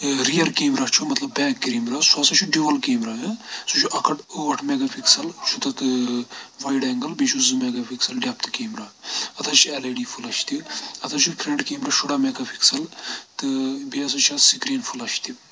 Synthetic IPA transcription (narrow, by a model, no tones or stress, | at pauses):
ɾijɐɾkeːmɾat͡ʃʰumɐt̪lɐbːɛːkːɾiːmɾaːsuɐsɐt͡ʃʰuɖiʋɐlkeːmɾaːɦɐsut͡ʃʰuʔɐkʰɐʈoːʈʰmeɡɐfʰiksɐlt͡ʃʰut̪ɐt̪ɨʋɐjɖɛːŋɡɐlbit͡ʃʰuzɨmɛːɡɐfʰiksɐlɖɛːp̚t̪keːmɾaːɐt̪ʰɐt͡ʃʰiɛlɐːɖiːfʰulɐt͡ʃʰt̪iɐt̪ʰɐt͡ʃʰupʰɾeɳʈkeːmɾɐʃuɽaːmeːɡɐfʰiksɐlt̪ɨbiɐs̬ɐt͡ʃʰasikɾeːnfʰulɐʃt̪i